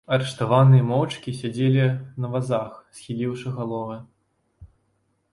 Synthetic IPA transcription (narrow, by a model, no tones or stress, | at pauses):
ɐɾɨʂt̪avanɨjɐmɔwt͡ʂkʲisʲad͡zʲelʲinɐvazaxsʲxʲilʲiwʂɨɣalˠɔvɨ